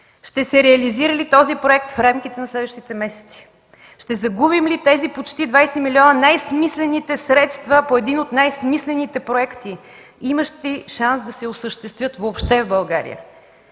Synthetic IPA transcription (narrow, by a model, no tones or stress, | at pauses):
ʃt̪ɛsɛɾɛɐliziɾəlit̪ɔzipɾoɛkt̪fɾamk̟it̪ɛnɐslɛd̪vəʃt̪it̪ɛmɛsɛ̥t̪si̥ | ʃt̪ɛzɐɡubimlit̪ɛzipot͡ʃt̪id̪vajsɛmiliɔnənajsmislɛnit̪ɛsɾɛt̪st̪vəpoɛd̪inot̪najsmislɛnit̪ɛpɾoɛkt̪i | iməʃt̪iʃansd̪ɐsɛosəʃt̪ɛst̪vʲjɤt̪vopʃt̪ɛvbɐlˠɡaɾḭjə̰